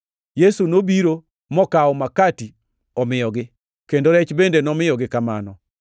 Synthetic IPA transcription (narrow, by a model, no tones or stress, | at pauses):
jesunobiɾo | mɔkaɔmakati | ɔmɪjɔɡɪ | kendoɾɛt͡ʃbendenɔmɪjɔɡɪkama̰nɔ